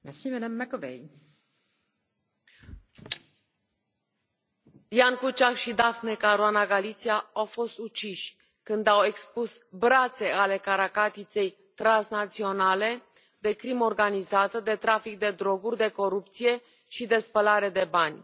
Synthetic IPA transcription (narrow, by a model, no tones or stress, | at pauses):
mɛsimɛdamːɛkovḛj | jaŋkut͡ʃakʃid̪afnekaɾuanaɡalit̪sijaawfo̞st̪ut͡ʃiʃʲ | kɨnd̪awe̞kspusbɾat̪se̞ale̞kaɾakat̪it̪se̞j | t̪ɾansnat̪sio̞nale̞ | d̪e̞kɾimo̞rɡanizat̪əd̪e̞t̪ɾafik̚d̪e̞d̪ɾo̞ɡurʲd̪e̞ko̞ɾup̚t̪sije̞ | ʃid̪e̞spəlaɾe̞d̪e̞banʲ